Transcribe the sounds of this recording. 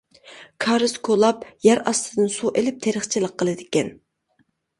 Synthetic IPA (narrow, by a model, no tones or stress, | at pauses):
kʰɑɾɨzkʰolˠɑpjæɾɑst̪ʰɨd̪ɨnsuʔelɪp̚t̪ʰeɾəχt͡ʃʰilˠəqʰːəlˠɨd̪ɪkʲɛn